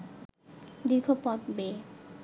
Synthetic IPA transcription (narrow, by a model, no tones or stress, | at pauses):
d̪ikʰopɔt̪be